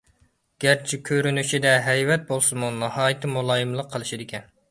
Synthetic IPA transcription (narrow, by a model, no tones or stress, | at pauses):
ɡ̥ʲæɾt͡ʃʰikʲʰøɾynyʃid̪ɛɦɛjvɛt̪̚bolˠsɨmunɑhɑːjɨt̪ʰɨmulˠɑːjɨmlˠəqʰːəlˠɨʃid̪ɪkʲɛn